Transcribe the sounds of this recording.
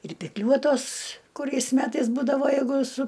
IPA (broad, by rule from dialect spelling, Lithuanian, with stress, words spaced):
ɪr pʲɪkˈlʲuɔtoːs kʊˈrʲɛɪs ˈmʲæːtɐɪs ˈbuːdɐʋoː jɛɪˈɡʊ sʊ